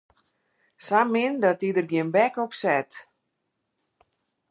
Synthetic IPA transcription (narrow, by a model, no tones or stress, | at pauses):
samɪndɔtidərɡjɪənbɛkɔpsɛt